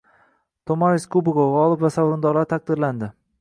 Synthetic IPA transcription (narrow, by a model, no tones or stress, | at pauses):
t̪ʰomaɾɪskubɪɡoʁɒlˠɪpvasawɾʊnd̪ɒɾlaɾt̪ʰaq̚d̪ɪɾland̪ɪ